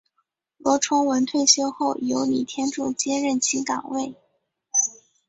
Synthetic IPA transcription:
lwɔ˧˥ʈ͡ʂʰʊ˥ŋwə˧˥nt̪ʰwe˥˧ɪɕjo˥ʊxo˥˩ʊjo˧˥ʊli˨˩t̪ʰjɛ˥nʈ͡ʂu˥˩t͡ɕjɛ˥ɻə˥˩nt͡ɕʰi˧˥kɑ̰˨˩ŋwe˥˩ɪ

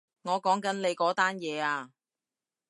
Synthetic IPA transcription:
ŋɔː˨˧kɔː˨˥ŋkɐ˨˥nle˨˧jkɔː˨˥t̪aː˥njɛː˨˧aː˧

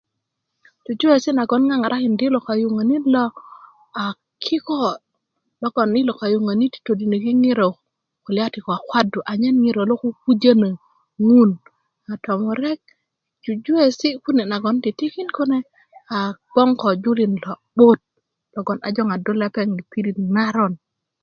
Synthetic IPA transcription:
d͡ʒu˨d͡ʒu˦e˨si˦na˨ɡɔ˨˦nŋa˦ŋa˨ɾʔa˦kɪ˨ndɪ˦lɔ˨ka˨ju˨ŋa˨ni˦lɔ˦ | a˨ | kʰɪ˦kɔ˦ | lɔ˦ɡɔ˨nɪ˦lɔ˨ka˨jo˨ŋa˨ni˦ti̥˨to˨di˨ne˨ki˦ŋɪ˦ɾo˨ | ko˨lɪ˨a˦tɪ˨kɔ˨a˨kwa˦du˨ʔa˨ɲɛ˦nŋi˦ɾo˨lo˦ku˦ku˦d͡ʒa˦na˨ | ŋu˦n | a˨tɔ˨mɔ˨ɾɛ˦k̚ | d͡ʒu˨d͡ʒu˦e˦˨si˦ku˦ne˨na˨ɡɔ˨˦ntɪ˨tɪ˦ki˦nko˦ne˦ | a˨ɡ̥ɔ˦ŋkɔ˨d͡ʒu˦li˨nlɔ˨bo˦t̚ | lɔ˨ɡɔ˨na̰˨d͡ʒɔ˦ŋa˨do˦lɛ˦pɛ˦˨ŋi˨pi˦ɾi˦˨tŋa˦ɾɔ˦n

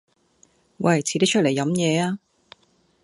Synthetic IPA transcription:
wɐ˨˩jt͡sʰiː˨˥t̪i˥t͡ʃʰt̚le˨˩jːɐ˨˥mjɛː˨˧aː˧

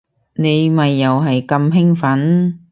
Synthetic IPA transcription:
ne˨˧jmɐ˨jːɐ˨wɦɐ˨jkɐ˧mɦɪ˥ŋfɐ˨˥n

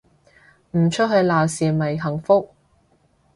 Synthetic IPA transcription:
m̩˨˩t͡ʃʰɵ˥t̚ɦɵ˨˧ɥlaː˨˩wsiː˨mɐ˨˩jɦɐ˨˩ŋfʊ˥k̚

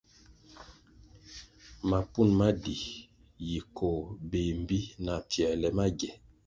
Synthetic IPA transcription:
ma˨pu˦˨nma˦di˨ | ji˨kʰo˨be˨m˦bi˦na˨fjɛ˨lɛ˨ma˦ɡɛ˨

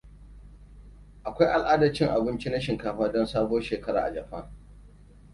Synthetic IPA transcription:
ʔa˨kʷa˦jʔa˨lʔaː˦dɐ˨t͡ʃɪ˦ŋʔa˨bɪ˦nt͡ʃi˦na˦ʃɪ˨ŋkaː˨ɸaː˦dɔ˦nsaː˦boː˦ʃeː˨kɐ˦ɽa̰ː˨ʔa̰˨d͡ʒɐ˨ɸa˦ŋ

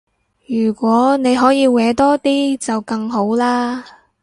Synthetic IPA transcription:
jyː˨˩kʷɔː˨˥ne˨˧jɦɔː˨˥jiː˨˧wɛː˨˥t̪ɔː˥t̪iː˥t͡sɐ˨wkɐ˧ŋɦo˨˥wlaː˥

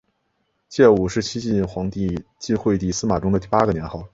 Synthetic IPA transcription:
t͡ɕjɛ˥˩u˨˩ʂɻ̩˥˩t͡ɕʰi˥t͡ɕi˥˩nxwɑ˧˥ŋt̪i˥˧t͡ɕi˥˧xwe˥˧ɪt̪i˥˩sɹ̩˥ma˨˩ʈ͡ʂʊ˥ŋd̪ə˧t̪i˥˩pa˥ɡə˨njɛ˧˥nxɑ˥˩ʊ

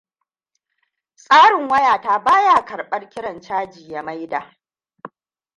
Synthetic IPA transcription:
sʼaː˦ɽɪ˨ŋwɐ˦jaː˨taː˦baː˦ja˦˨kɐ˨ɽɓɐ˦rkʲɪ˦ɽɐ˨nt͡ʃaː˦d͡ʒiː˨ja˨ma˦jdaː˨

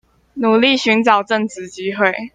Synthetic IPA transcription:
nu˨˩li˥˨ɕy˧˥nʈ͡ʂɑ˨˩ʊʈ͡ʂə˥˨ŋt͡sɹ̩˨˦t͡ɕi˥xwe˥˨ɪ

